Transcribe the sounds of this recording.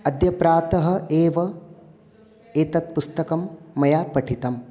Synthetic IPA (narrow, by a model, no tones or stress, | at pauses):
ɐd̪jɐpɾaːt̪ɐɦɐ̆eːʋɐ | eːt̪ɐt̪̚pust̪ɐkɐmːɐjaːpɐʈʰit̪ɐm